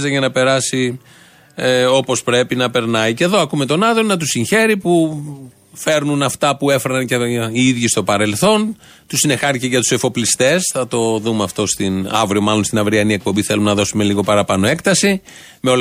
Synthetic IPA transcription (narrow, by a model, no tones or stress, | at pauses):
zɐʝɐnɐpe̞ɾɐsi | o̞po̞spɾe̞pinɐpe̞ɾnɐice̞ðo̞ɐkume̞t̪o̞nɐðonɐt̪̬usiçe̞ɾipu | fe̞ɾnunɐft̪ɐpue̞feɾnɐnceiiðʝist̪o̞pɐɾe̞lθo̞n | t̪usine̞xɐɾiceʝɐt̪u̥sefo̞plist̪e̞sθɐt̪o̞ðumeɐft̪o̞st̪inɐ̰vɾio̞mɐlo̞nst̪inɐvɾiɐnie̞k̚po̞mbiθe̞lumenɐðo̞sume̞liɣo̞pɐɾɐpɐno̞e̞kt̪ɐsi | meo̞l